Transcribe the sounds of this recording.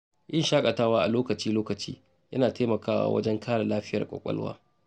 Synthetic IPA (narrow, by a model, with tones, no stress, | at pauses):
ʔɪ˦nʃaː˦kʼɐ˨taː˦waː˦ʔa˨loː˦kɐ˨t͡ʃiː˦loː˦kɐ˨t͡ʃḭː˦ | jɐ̰˦naː˨teː˦mɐ˨kaː˦wa̰ː˦wɐ̰˦d͡ʒɛ˦ŋkʰaː˦ɽa˨laː˦ɸɪ˦jɐ˨kʷʼɐ̰˨kʷʼɐ̰˦lwa̰ː˦